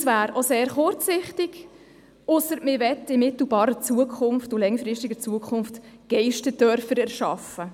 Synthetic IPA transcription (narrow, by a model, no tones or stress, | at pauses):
svæːɾoseːɾχʊɾt͡sɪχtɪɡ̥ | ʊsəɾmɪʋɛtːɪmɪtl̩bɑːɾət͡suəkʰʊnftʊlɛŋəfɾɪʃtɪɡət͡suəkʰχʊnftɡ̥ɛɪʃtədœɾfəɾɛɾʃɑfə